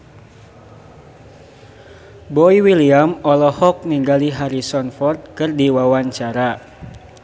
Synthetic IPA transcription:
bɔiwiliamɔlɔhɔk̚niŋɡaliɦaɾisɔnfɔrt̪̚kɨrdiwawaɲt͡ʃaɾa

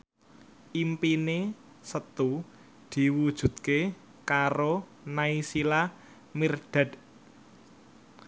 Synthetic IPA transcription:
ʔimpine | sət̪u | d̪̥i̤wud̥ʒ̥ṳt̪̚ke | kaɾo | naisila | mirɖ̪̥a̤d̪̥

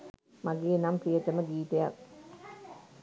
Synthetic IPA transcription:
maɡeːnampijət̪əməɡiːt̪eja̰k̚

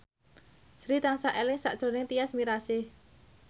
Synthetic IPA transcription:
sɾit̪aŋsaʔelɪŋsa̰ʔd̥ʒ̥o̤nɪŋt̪ijasmiɾasɪh

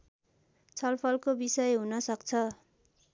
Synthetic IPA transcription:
t͡sʰʌlpʰʌlkobisʌjɦunʌsʌkt͡sʰʌ

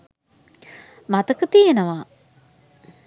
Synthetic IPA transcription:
mat̪əkət̪ijenəʋaː

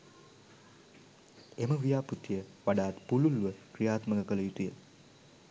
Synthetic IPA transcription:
eməʋijaːput̪ijəʋaɖaːt̪pululuʋəkrijaːt̪məkəkələjut̪ujə

